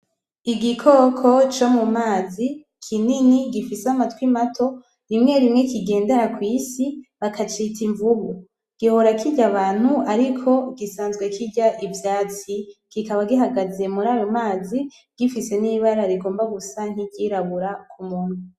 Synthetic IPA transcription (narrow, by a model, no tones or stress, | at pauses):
iɡikʰoːkʰo̞t͡ʃo̞mumaːzi | kʰininiɡifisamatkwimatʰo̞ | ɾimŋe̞ɾimŋe̞kiɡe̞ːndeɾakwiːsiβakat͡ʃitiɱvuβu | ɡ̥ihoɾakʰiɟaβaːn̥huaɾikʰo̞ɡisaːnzɡwe̞kiɾɟaʔivjaːt͡siɡ̥ikaβaɡiɦaɡaze̞muɾaːjomaːzi | ɡ̥ifise̞niːβaɾaɾiɡo̞ːmbaɡusaŋ̥hiɟɟiɾaβuɾakʰumun̥u